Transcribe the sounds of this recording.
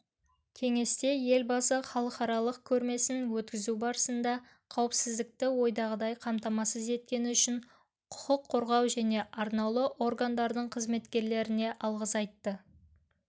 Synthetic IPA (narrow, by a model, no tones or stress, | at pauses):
kʲʰe̞ŋe̞st̪e̞je̞lbɑsəχɑlˠəqɑɾɑlˠəq̚kʲʰɵɾme̞sɪnwɵt̪kʲɪzubɑɾəsənd̪ɑ | qʰɑwəpsɪzd̪ɪk̚t̪ɪwo̞jd̪ɑʁəd̪ɑjqʰɑmt̪ɑmɑsəze̞t̪̚kʲe̞nɪʏʃɪɴ | qʰʊ̥qəqʰːo̞ɾʁɑwʒæne̞ʔɑɾnɑlˠəʔo̞ɾɡand̪ɑɾd̪əɴqʰəzme̞t̪kʲe̞ɾle̞ɾɪne̞ʔɑlˠʁəsɑjt̪ːə